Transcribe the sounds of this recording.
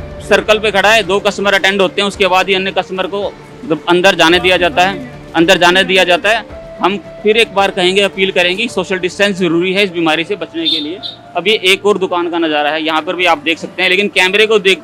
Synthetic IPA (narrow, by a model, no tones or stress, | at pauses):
sɐɾkəlpekʰɐɽaɦɛd̪oːkɐsʈməɾɐʈɛ̃ɳɖɦoːt̪eɦɛ̃ʊskebaːd̪ɦiɐnːjəkɐsʈməɾko | ɐ̃nd̪əɾd͡ʒaːned̪ijad͡ʒaːt̪aɦɛː | ɐ̃nd̪əɾd͡ʒaːned̪ijad͡ʒaːt̪aɦɛ | ɦɐm | fʰɪɾeːk̚baːɾkɐɦẽːŋɡeɐpiːlkɐɾẽːŋɡesoːʃəlɖɪsʈɛ̃ːnszɐɾuːɾiɦɛɪsbiːmaːɾisebɐt͡ʃnekelie | ɐbjeʔeːkɔːɾd̪ʊkaːnkanɐzaːɾaɦɛjɐɦãpɐɾbʱiaːp̚d̪eːkʰsɐk̚t̪eɦɛ̃leːkɪnkɛːmɾekod̪eːk